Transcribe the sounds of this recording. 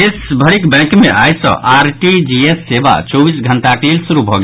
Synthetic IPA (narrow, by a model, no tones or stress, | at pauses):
esbʱəɾikbɛ̃kmeʔajsʌ̰̃ʔaɾʈid͡ʒiesːeba̰t͡ʃɔbisɡʱənʈaklelsuɾubʱɔɡe